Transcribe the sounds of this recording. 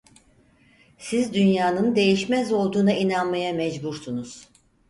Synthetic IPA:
sizd̪ynjaːnɯnd̪e̞jiʃmɛzo̞lˠd̪uːnainanmajamɛd͡ʒbuɾsunuz̥

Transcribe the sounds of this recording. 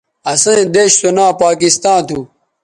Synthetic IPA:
ɐsẽẽd̪eːɕt̪onaːpaːkist̪ãːt̪ʰuː

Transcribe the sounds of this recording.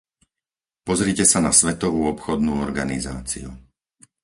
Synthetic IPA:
pɔzɾicɛsanasʋɛt̪ɔʋuːɔpxɔd̪nuːɔɾɡanḭza̰ːt͡sḭṵ

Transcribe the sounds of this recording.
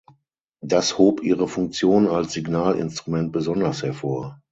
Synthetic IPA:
d̥ashoːpʔiːʁəfʊŋk̚t͡sjoːnnalsz̥iɡnaːlɪ̰nstʁ̥umɛnt̚b̥əzɔndɐshɛɐfoːɐ

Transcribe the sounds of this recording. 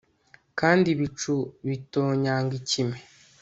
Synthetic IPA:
kaːndiβit͡ʃuβitoːɲaːŋɡicime

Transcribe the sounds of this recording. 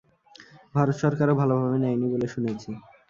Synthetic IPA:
bʱaɾot̪ʃɔɾkaɾobʱalobʱabenɛjniboleʃunet͡ɕʰe

